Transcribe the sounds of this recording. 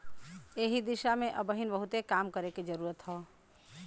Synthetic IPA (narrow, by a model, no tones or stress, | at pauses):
eːɦid̪iʃamẽʔəbəɦinbəɦut̪ekaːmkəɾeked͡ʒəɾuːɾət̪ɦɔː